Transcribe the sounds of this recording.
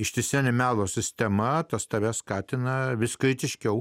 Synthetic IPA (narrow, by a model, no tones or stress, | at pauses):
ɪʃʲt̪ʲɪsʲiːnʲɛmʲæːlˠoːsʲɪsʲt̪ʲɛmɐt̪ɐst̪ɐʋʲɛskɑːt̪ʲɪnɐʋʲɪskɾʲɪt̪ʲɪʃʲkʲɛʊ